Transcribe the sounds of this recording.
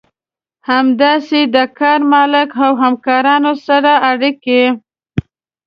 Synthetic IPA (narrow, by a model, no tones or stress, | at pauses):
hamd̪ɑsed̪əkɑɾmɑlɪkawɦamkɑɾɑnosaɾaːɽike